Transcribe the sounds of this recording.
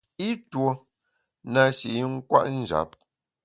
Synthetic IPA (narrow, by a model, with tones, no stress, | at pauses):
i˦two˨ | na˨ʃi˨i˦ŋ̩˦kwa̰˦ʔn̩˦˨d͡ʒa̰˨˦p̚